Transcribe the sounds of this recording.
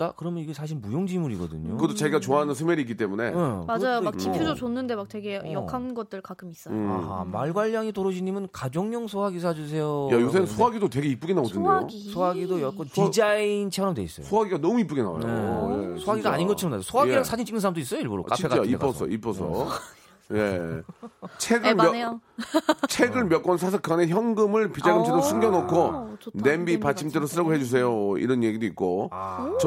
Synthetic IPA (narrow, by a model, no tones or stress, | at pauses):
t͈akɯɾʌmjʌniɡesʰaɕ̬ʰiɭmujoŋd͡ʑimuɾiɡʌ̰dɯ̰ɲoɯʌtot͡ɕeɡiɡat͡ɕoanɯnsʰɯmeɾik͈it͈e̞mune̞emad͡ʑajomak̚t͡ɕipʰjod͡ʑot͡ɕonːɯnde̞mak̚twe̞ɡe̞jʌkʰanɡʌt̚t͈ɯɭkak͈ʰɯmis͈ʌa̰ɦa̰maɭɡwaʎːaŋitoɾoɕʰiɲimɯnkad͡ʑoŋɲʌŋsʰoɦaɡisʰad͡ʑus̬ʰe̞jojajosʰensʰoaɡidotwe̞ɡe̞ip͈ɯɡenaɡodɯɲɡ | sʰoaɡidojʌk͈ʌntid͡ʑaint͡ɕʰeɾʌmdwe̞is͈ʌj̰osʰoaɡiɡanʌmuip͈uɡina̰a̰joejesʰoaɡiɡaaɲinɡʌinaosʰoɦaiaŋsʰad͡ʑint͡ɕ͈iŋnɯnsʰaɾamdois͈ʌjoiɭboɾo̰kaɕieat͡ɕaip͈ʌsʰʌ̰ip͈ʌsʰʌ̰ | je̞ | t͡ɕʰeɡɯ | t͡ɕʰe̞ɡɯɭmjʌk͈ʌnsʰas̬ʰɯkɯaneçjʌŋɡɯmɯɭpid͡ʑaɡɯmt͡ɕʰeɾosʰuŋɡjʌnokʰone̞mbipat͡ɕʰimt͡ɕ͈eɾosʰɯɾʌɡoɦe̞d͡ʑus̬ʰe̞joḭɾʌnje̞ɡidoitk̚k͈ot͡ɕʌ